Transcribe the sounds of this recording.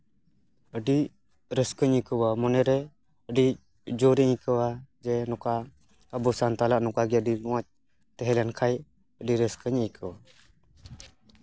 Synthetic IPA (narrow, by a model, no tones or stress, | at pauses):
əɖi | ɾəskəɲəkəwamɔnɛɾɛ | əɖi | d͡ʒɔɾɛɲkəwad͡ʒɛnɔka | əbɔsant̪alaʔnɔkaɡɛəɖinɔwat͡ʃ̚ | t̪ɛɦɛlɛnkʰaj | əɖiɾəskəɲəjkʰəwa